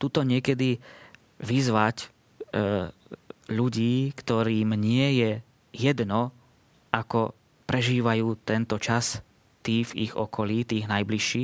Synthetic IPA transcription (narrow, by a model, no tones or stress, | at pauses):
t̪uːt̪ɔɲɪɛkɛd̪i | ʋizʋac | ʎuɟiːkt̪ɔɾiːmɲɪɛjɛ | jɛd̪nɔ | akɔ | pɾɛʒiːʋajuːt̪ɛnt̪ɔt͡ʃas | t̪iːvḭɣɔ̰kɔliːt̪iːɣnajbliʃːiː